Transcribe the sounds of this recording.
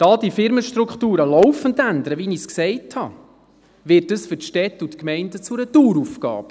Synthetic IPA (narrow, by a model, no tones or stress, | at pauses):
d̥ɑːd̥ifɪɾməʃtɾukχtuːɾəlɔwfəndændəɾəʋinisksɛɪthɑ | ʋɪtdəsfʏɾtʃtɛtutkmɛɪndət͡suɾətuːɾufkɑ̰ːp